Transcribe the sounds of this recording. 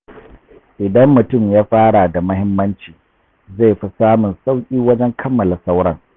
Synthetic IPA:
ʔɪ˨dɐ˦mːʊ˨tʊ˦˨mjaː˦ɸaː˦ɽa˨da˨mɐ˦hɪ˦mːɐ˦nt͡ʃiː˨ | za˦˨jɸi˦saː˦mʊ˨nsa˦wkʲʼiː˦wɐ˦d͡ʒɛ˦ŋkʰɐ˦mːɐ˨la˨sa˦wɽɐ˦ŋ

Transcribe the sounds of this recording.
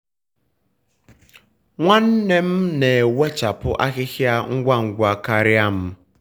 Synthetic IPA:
ŋʷa˦n̩˦ne˦m̩˦ne˨we˦t͡ʃa˨pʊ˦ʔa̰˦ɣɪ˦xja˦ŋ̩˦ɡʷa˦ŋ̩˨ɡʷa˨ka˦ɾɪ˦a˦m̩˦

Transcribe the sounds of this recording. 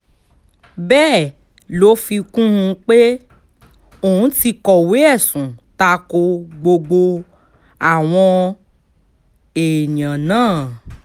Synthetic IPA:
bɛː˦˨ | lo˨˦fi˧kũ˦hũ˧k͡pe˦ | o˦˨ũ˨˦ti˧kɔ˨we˨˦ɛ˦˨sũ˨ta˧ko˧ɡ͡bo˧ɡ͡bo˧ | a˨w̃ɔ̃˧ | e˨j̃ã˨nãː˦˨

